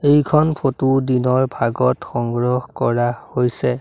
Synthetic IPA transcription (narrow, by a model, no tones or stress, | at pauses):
ejkʰɔnpʰotudinɔɹbʱaɡɔtxɔŋɡɹɔhkɔɹahojsɛ